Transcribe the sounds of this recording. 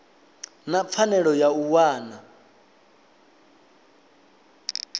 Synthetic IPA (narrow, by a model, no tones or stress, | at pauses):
nap̪fʰanɛɺɔjauwaːna